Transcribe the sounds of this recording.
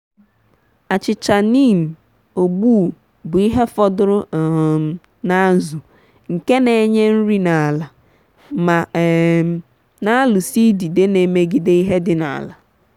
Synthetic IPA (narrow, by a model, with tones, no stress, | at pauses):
a˨t͡ʃɪ˨t͡ʃa˨ni˦˨m̩˨ | o˨ɡ͡bu˦˨ | bʊ˨i˦ɦe˦fɔ˦dʊ˦ɾʊ˦˨ | na˦zʊ˨ | ŋ̩˨ke˦ne˨˦ɲe˦n̩˦ɾi˦na˨a˨la˨ | ma˨ | na˦lʊ˨si˦di˨de˦ne˨me˨ɡi˨de˦i˦ɦe˦dɪ˦na̰˨a̰˨la˨